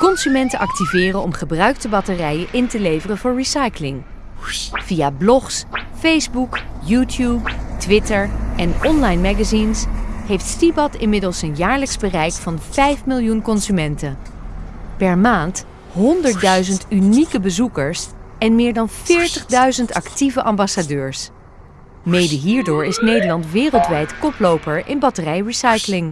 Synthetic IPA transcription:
kɔnsymɛntəʔɑk̚tivɪːrənɔmχəbrœɥktəbɑtərɛjəʔɪntəlejvərəvʊːɹɹisɑjklɪŋ | v̥ijablɔχs | fejzbukjutjuptʋɪtəɹɛnɔnlɑjnmaɡazinsɦejftstibɑtɪnmɪdəlˠsənjaːɹləksbərɛjkfɑnfɛjfmɪlˠjunkɔnzymɛntən | pɛɹmaːnt | ɦɔndəɹt̚dœɥzəntynikəbəzukəɹsɛnmɪːɹdɑnfɪːɹtəχdœɥzəntɑ̰ktivəʔɑmbɑsadøːɹs | mejdəɦiːɹdʊːɹɪsnejdəɹlɑntʋɪːrəlˠtʋɛjtkɔplowpəɹɪnbɑtərɛjɹisɑjklɪŋ

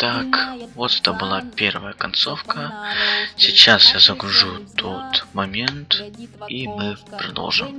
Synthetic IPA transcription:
t̪akvot̪ɛ̥t̪əbɨlˠapʲe̞rvəjəkɐnt̪so̞fkə | sʲɪt͡ɕːasjazɐɡɾʊʐut̪ʰo̞t̪mɐmʲe̞nt̪imɨpɾɐd̪o̰lˠʐɨm

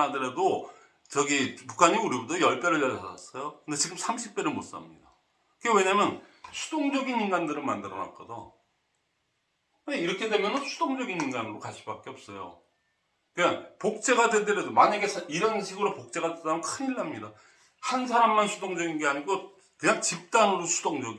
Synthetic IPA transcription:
adɯɾedo | t͡ɕʌɡipukʰaɲiuɾibutʰʌjʌɭp͈eɾɯɭjʌɭaa̰s͈ʌjokɯnde̞t͡ɕiɡɯmsʰamɕʰip̚p͈e̞ɾɯɭmos͈a̰mɲida | kɯɡewe̞ɲamjʌnɕʰu̥d̥oŋd͡ʑʌɡininɡandɯɾɯnmandɯɾʌna̰k͈̚ʌdo | kɯeiɾʌkʰe̞de̞mjʌnɯnsʰu̥d̥oŋd͡ʑʌɡininɡanɯɾokaɕʰi̥bak͈eʌp̚s͈ʌjo̰ | kɯapok̚t͡ɕ͈e̞ɡadwe̞dɯɾedomaɲaɡe̞sʰiɾʌnɕʰiɡɯɾopok̚t͡ɕ͈e̞ɡadedanɯnkʰɯɲiɭːamɲida | hans̬ʰaɾamːansʰudoŋd͡ʑʌɡinɡeaɲiɡo | kɯɲaŋt͡ɕip̚t͈anɯɾosʰu̥doŋd͡ʑʌɡi

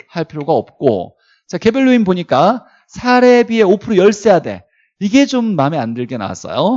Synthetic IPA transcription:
haɭpʰiɾjoɡaʌp̚k͈o̰ | t͡ɕake̞bɯɭːoinpoɲik͈a | sʰaɾe̞bie̞opʰɯɾojʌɭs͈e̞jade̞̰ | iɡe̞d͡ʑomːameandɯɭk͈e̞na̰wa̰s͈ʌ̰jo

